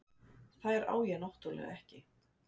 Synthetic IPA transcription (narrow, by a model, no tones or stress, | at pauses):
θaðɛɾa̰ːwjɛnɔht̪ulɛ̰ɣɛhcɪ